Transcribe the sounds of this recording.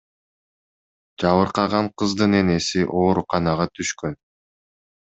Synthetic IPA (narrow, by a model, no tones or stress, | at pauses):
d͡ʒɑβɯɾqɑʁɑɴqʰɯzd̪ɯne̞ne̞siʔoːɾuqɑnɑʁɑt̪ʰyʃkøn